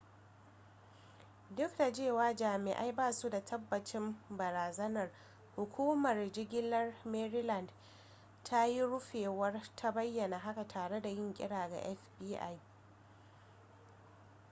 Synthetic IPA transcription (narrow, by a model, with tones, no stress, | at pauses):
dʊ˦kda˨d͡ʒeː˦˨waː˦d͡ʒaː˨mɪ̰˨ʔa̰˦jbaː˦˨su˦da˨tʰɐ˦bːɐ˨t͡ʃɪ˦mbɐ˨ɾaː˨zɐ˦nɐ˨r | hʊ˨kʷuː˦mɐ˨rd͡ʒɪ˦ɡʲɪ˦lːɐ˦rmɛ˦ɾi˦lɐ˨nd | tʰa˦ji˦ɽʊ˦ɸeː˨wɐ˦rtʰa˦bɐ˦jːɐ˨na˨ɦa˦ka˨tʰaː˨ɽe˦da˨jɪ˦ŋkʲʼɪ̰˦ɽaː˨ɡa̰˨ʔɛ˦fbiː˦ʔa̰˦j